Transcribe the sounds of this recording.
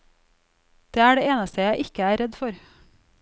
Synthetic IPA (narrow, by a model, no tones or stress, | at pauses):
d̪̥eːæːɖeːeːnəst̪əjæɪʔɪkəæːɾɛd̪fɔɾ